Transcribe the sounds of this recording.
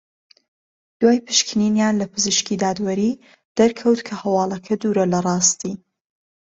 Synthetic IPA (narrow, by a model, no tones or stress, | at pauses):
d̪̥waːjpʰɨʃkʰɨninjaːnlɐpɨzɨʃkid̪aːd̪wɐɾi | d̪̥ɐɾkʰɐwt̪kʰɐhɐwɑːlˠɐkʰɐd̪uːɾɐlɐrˤɑːst̪i